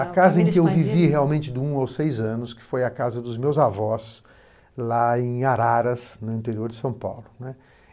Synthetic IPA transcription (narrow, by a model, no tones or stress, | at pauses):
ɐkazɐẽkɪewviviheawmẽnt͡ʃɪd̪ɪũawsejzɐ̃nʊskɪ̥fojɐkazɐd̪ʊzmewzavɔs | laẽj̃aɾaɾɐsnʊĩnt̪eɾioɾd͡ʒɪsɐ̃w̃pa̰wlʊnɛ